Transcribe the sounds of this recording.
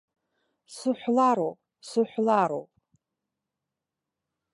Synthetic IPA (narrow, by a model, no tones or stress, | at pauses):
sɨħʷlaɾowpʼ | sɨħʷlaɾo̰wpʼ